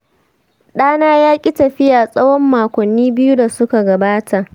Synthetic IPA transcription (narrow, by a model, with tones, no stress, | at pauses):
ɗaː˦naː˦jaː˦kʲʼi˦tɐ˨ɸɪ˦jaː˨sʼɐ˦wɔ˦mːaː˨kʷɔ˨nːiː˦bɪ˦ju˦da˨sʊ˦ka˨ɡɐ˨baː˦tʰa˨ʔ